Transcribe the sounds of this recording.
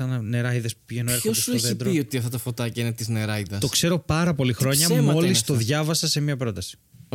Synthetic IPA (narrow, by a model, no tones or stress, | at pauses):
ɐnɐne̞ɾɐiðespu̥piʝenoeɾxosd̪ueoðid̪ɾoiot̪iɐft̪ɐt̪ɐfot̪ɐcɐinet̪izneɾɐiðɐt̪o̞kse̞ɾo̞pɐɾɐpo̞lixɾɾo̞ɲɐmo̞lisst̪o̞ðʝɐvɐsɐse̞miɐpɾo̞t̪ɐsi̥